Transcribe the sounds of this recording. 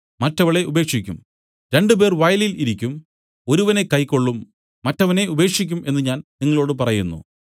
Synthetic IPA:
mɐtːɐʋɐɭe̞ube̞ːkʂikʲːum | ɾe̞ɳɖɨbe̞ːrʋɐjliliɾikʲːum | o̞ɾuʋɐne̞kɐjkːo̞ɭːumː | ɐtːɐʋɐne̞ube̞ːkʂikʲːumʔe̞nːɨɲaːnniŋːɐɭo̞ːɽɨpɐrɐjunːṵ

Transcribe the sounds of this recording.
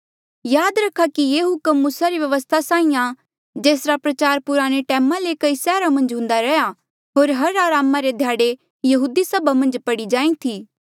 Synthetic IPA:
jaːd̪ɾɐkʰːakijeːɦʊkəmːuːsaɾiʋjɐʋəst̪ʰasãːĩjã | d͡ʒeːsɾapɾɐt͡ʃaːɾpʊɾaːɽ̃eʈɛːmãlekɐisɛːɾamɐ̃nd͡ʒɦʊ̃ːnd̪aɾɛja | ɦoːɾɦɐɾaːɾaːmaɾed̪ʱjaːɽe | jɐɦuːd̪isɐbʱamɐ̃nd͡ʒpɐɽid͡ʒãːĩt̪ʰiː

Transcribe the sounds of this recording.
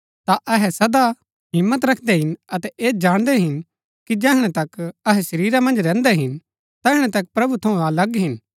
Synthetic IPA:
t̪aʔɐɦɛsɐd̪a | ɦɪmːət̪ɾɐkʰd̪ɛɦɪnɐt̪ɛʔeːd͡ʒaːɽ̃d̪ɛɦɪn | kid͡ʒɛːɦɽ̃ɛ̃t̪ɐkɐɦɛsɐɾiːɾamɐ̃nd͡ʒɾɛ̃ːnd̪ɛɦɪn | t̪ɛːɦɽ̃ɛ̃t̪ɐk̚pɾɐbut̪ʰɐũalɐɡɦɪn

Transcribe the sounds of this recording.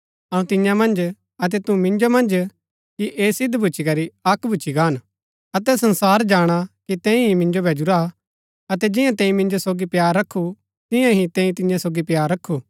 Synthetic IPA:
ɐũt̪ɪ̃jãmɐ̃nd͡ʒ | ɐt̪̬ɛt̪umɪ̃nd͡ʒomɐ̃nd͡ʒ | kiʔeːsɪd̪bʱʊːt͡ʃʰikɐɾiɐkbʱut͡ʃʰiɡaːn | ɐt̪ɛsɐ̃nsaːɾd͡ʒaːɽ̃akit̪ɛ̃ːĩɦimɪ̃nd͡ʒobʱɛːd͡ʒʊɾa | ɐt̪ɛd͡ʒɪ̃jãt̪ɛ̃ːĩmɪ̃nd͡ʒosoːɡipjaːɾːɐkʰːu | t̪ɪjãɦit̪ɛ̃ːĩt̪ɪ̃jãsoːɡipjaːɾːɐkʰːuː

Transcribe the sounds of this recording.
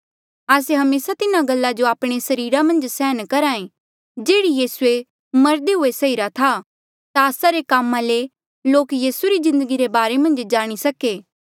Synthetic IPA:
aːseɦɐmeːsat̪ɪnãɡɐlːad͡ʒoaːpɽ̃esɐɾiːɾamɐ̃nd͡ʒsɛːɦnkɐɾaːẽ | d͡ʒeːɽijiːsue | mɐɾd̪eɦʊesɐiːɾat̪ʰa | t̪aəːsaɾekaːmːãle | loːkjiːsuɾizɪ̃nd̪əɡiɾebaːɾemɐ̃nd͡ʒd͡ʒaːɽ̃isɐkeː

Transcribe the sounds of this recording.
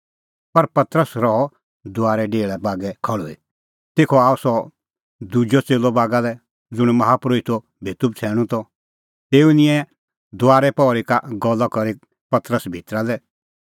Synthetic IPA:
pɐɾpɐt̪ɾəsɾɔɔ | d̪ʊaːɾɛɖeːɭɛbaːɡɛkʰɐɭɔi | t̪eːkʰɔaːɔsɔ | d̪ud͡ʒɔt͡seːlɔbaːɡalɛ | d͡zʊɽ̃mɐɦapɾoːit̪ɔ | bʱeːt̪ʊb̚t͡sʰɛːɽ̃ũt̪ɔ | t̪eːunɪ̃ɛ̃ | d̪ʊaːɾɛpɔːɾikaɡɔlːɔkɔɾi | pɐt̪ɾəsbʱit̪ɾalɛ

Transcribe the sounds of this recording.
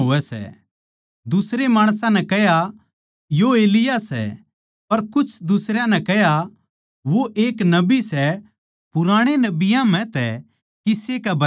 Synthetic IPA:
ɦoɛsɛ̰ | d̪ʊsɾemaːɽ̃s̬ãnɛ̃kɛɦja | joeːlɪjasɛ̰ | pɐɾkʊt͡ʃʰd̪ʊsɾjãnɛkɛɦja | ʋoʔeːknɐbisɛ | pʊɾaːɽ̃enɐbɪjãm̤ɛ̃t̪ɛ | kɪsekɛbʱɐ

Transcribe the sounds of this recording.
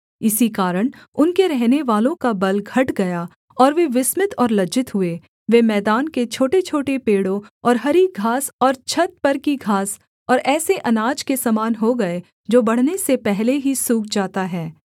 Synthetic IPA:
ɪsikaːɾəɽ̃ʊnkeɾɛɦneʋaːlõkabɐlɡʱɐʈɡɐja | ɔːɾʋeʋɪsmɪt̪ɔːɾlɐd͡ʒɪt̪ɦʊe | ʋemɛːd̪aːnket͡ʃʰoːʈet͡ʃʰoːʈepeːɽõɔːɾɦɐɾiɡʱaːsɔːɾt͡ʃʰɐt̪̚pɐɾkiɡʱaːs | ɔːɾʔɛːseʔɐnaːd͡ʒkesɐmaːnɦoɡɐe | d͡ʒoːbɐɽ̤nesepɛɦleɦisuːɡd͡ʒaːt̪aɦɛː

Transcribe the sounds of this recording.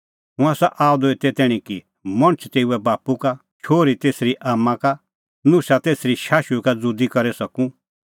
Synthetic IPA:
ɦʊ̃aːsaʔaːʊd̪oet̪ɛt̪ɛːɽ̃ĩki | mɐ̃ɽ̃ət͡ʃʰt̪eːuɛbaːpuka | t͡ʃʰoːɾit̪eːsɾiʔaːmːãka | nʊ̃sat̪eːsɾiʃaːʃukad͡zud̪ikɐɾɛsɐkũ

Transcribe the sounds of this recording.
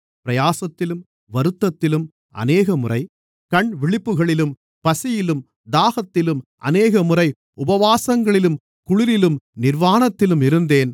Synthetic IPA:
pɪɾɐjaːsɐt̪ːɪlɯm | ʋɐɾɯt̪ːɐt̪ːɪlɯm | ɐ̰neːɣɐmʊrɐɪ | kɐɳʋɪɭɪpːɯɣɐɭɪlɯm | pɐsɪjɪlɯm | d̪aːɣɐt̪ːɪlɯmʔɐ̰neːɣɐmʊrɐɪ | ʊbɐʋaːsɐŋɡɐɭɪlɯm | kʊɻɪɾɪlɯmnɪɾʋaːɳɐt̪ːɪlɯmɪɾɯnd̪eːn

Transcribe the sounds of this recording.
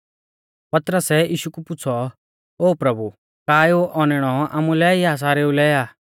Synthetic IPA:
pɐt̪ɾəsɛiːʃukupʊt͡sʰɔ | oːpɾɐbu | kaːjoʔɔnɪɽ̃ɔa̰ːmulɛiaːs̬aɾeːulɛaː

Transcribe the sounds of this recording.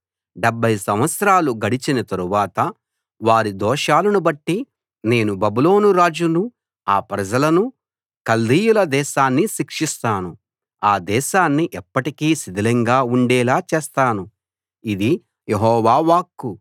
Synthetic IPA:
ɖebʱːɐjsɐmʋɐt̪sɐɾaːluɡɐɽit͡ʃinɐt̪ɐɾuʋaːt̪ɐ | ʋaːɾid̪ɔːʃaːlɐnubɐʈːi | ne̞ːnubɐbuloːnuɾaːd͡ʒunu | aːpɾɐd͡ʒɐlɐnu | kɐld̪ijulɐd̪ɛːʃaːnːiʃikʂist̪aːnu | aːd̪ɛːʃaːnːiʔɛpːɐʈikiːsid̪ilɐŋɡaːuɳɖɛːlaːt͡ʃeːst̪aːnu | id̪i | jeɦɔːʋaːʋaːkːu

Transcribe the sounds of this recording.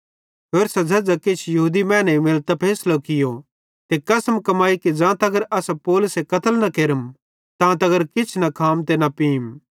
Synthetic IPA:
ɦoːɾsɐd͡zʱɐd͡zakɪt͡ʃʰjɐɦuːd̪imɛ̃ːnɛimɪlt̪apʰɛːslokɪjo | t̪ekɐsəmkɐmaːikid͡ʒãːt̪ɐɡəɾɐsapoːlʊsekɐt̪ʰəlnɐkeːɾəm | t̪ãːt̪̬ɐɡəɾkɪt͡ʃʰnɐkʰaːmt̪enɐpiːm

